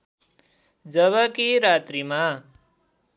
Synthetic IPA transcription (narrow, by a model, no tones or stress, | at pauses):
d͡ʒəβəkiɾaːt̪ɾimã